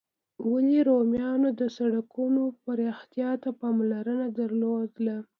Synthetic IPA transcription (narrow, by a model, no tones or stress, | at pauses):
waliɾomjɑnod̪əsaɽakunopaɾext̪jɑt̪apɑmlaɾənad̪əɾlod̪la